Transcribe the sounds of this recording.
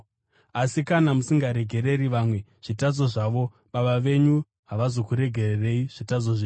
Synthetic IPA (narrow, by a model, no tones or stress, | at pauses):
asikanamusiŋɡaɾe̞ɡʱe̞ɾe̞ɾiʋamwe̞ʐ̥itad͡zo̞ʐaʋo̞ | ɓaɓaʋe̞ɲu | ɦaʋazo̞kuɾe̞ɡʱe̞rere̞iʐ̥itazoʐi